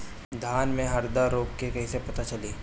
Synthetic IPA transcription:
d̪ʱaːnmẽɦɐɾd̪aɾoːkkekɐɦĩsepɐt̪at͡ʃɐliː

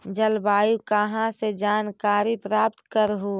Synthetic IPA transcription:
d͡ʒəlbaːjukəɦãsed͡ʒaːnkaːɾipɾaːp̚t̪kəɾɦuː

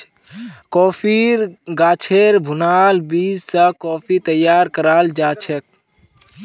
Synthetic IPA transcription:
kɔːpʰiɾɡaːt͡ʃʰeɾbʱʊnaːlbiːd͡ʒsəkɔːpʰit̪əjːaːɾkəɾaːld͡ʒaːt͡ʃʰek̚

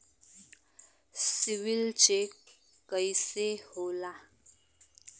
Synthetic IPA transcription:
siwilt͡ʃek | kəjsehola

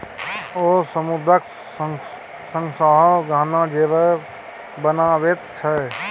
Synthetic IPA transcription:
osəmud̪ɾək | səŋsəɦɔɡʱaːnad͡ʒebə | bənabet̪̚t͡ʃʰɛ

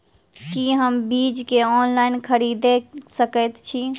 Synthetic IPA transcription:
kiɦəmbid͡ʒkeɔnlaɪnkʰəɾid̪esəkət̪t͡ʃʰi

